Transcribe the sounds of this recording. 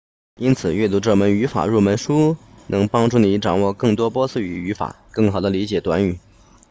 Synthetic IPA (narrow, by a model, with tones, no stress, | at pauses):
i˥nt͡sʰɹ̩˨˩ɥɛ˥˩t̪̬u˧˥ʈ͡ʂɤ˥˩mə˧˥ny˧˥fa̰˨˩ɻu˥˩mə˧˥nʂu˥ | nʔɤ˧˥ŋpɑ˥ŋʈ͡ʂu˥˩ni˧˥ʈ͡ʂɑ˨˩ŋwɔ˥˧kɤ˥˩ŋt̪̬wɔ˥pwɔ˥sɹ̩˥˩y˨˩y˧˥fa̰˨˩˦kɤ˥˩ŋxɑ˨˩ʊd̪ə˦li˧˥t͡ɕjɛ˨˩t̪wa̰˧˥ny˨˩˦